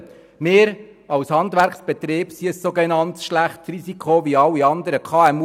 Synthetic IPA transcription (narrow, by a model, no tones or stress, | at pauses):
meːɾɑwshɑnd̪ʋæɾksb̥ɛt̪ɾeːb̥siəsːoɡenɑnt̪sʃlæχtrizikʰχoʋiɑlːiɑnd̪əɾəkʰɑːɛmu